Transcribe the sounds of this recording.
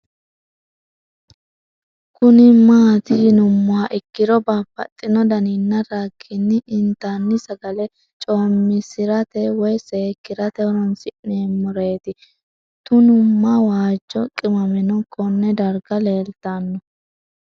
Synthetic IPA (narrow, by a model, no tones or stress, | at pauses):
kʊnɪmaːt̪ɪnʊmːʊwaʔɪkːɪd̪ɔbaːpːɐ̰t̪ʼːɪnɔd̪ɐniːnːɐɾaːkʰːɪnːɪʔɪnt̪ːanːɪsɐɡɐlɛ | t͡ʃʼoːmːɪsɪɾɐt̪ɛwɔjseːkːɪɾɐt̪ɛɔɾɔnsɪʔneːmɔɾe̞ːt̪ɪ | t̪ʊnʊmːɐwaːd͡ʒːɔkʼɪmɐmɪnɔkʰɔnːɛd̪ɐɾɡɐle̞ːlt̪ːanːɔ